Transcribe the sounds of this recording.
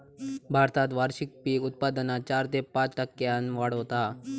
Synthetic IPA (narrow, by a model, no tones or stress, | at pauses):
bʱaːɾt̪aːt̪ʋaːɾʃɪk̚piːʊt̪̚paːd̪ənat͡ʃaːɾt̪epãːt͡ʃʈɐkːeanʋaːɽɦot̪a